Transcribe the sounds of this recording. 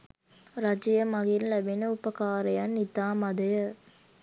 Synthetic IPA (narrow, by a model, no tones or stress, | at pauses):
ɾɐd͡ʒijəmaɡinlæbenəupəkaːɾəjanːit̪aːmɐd̪ɐjə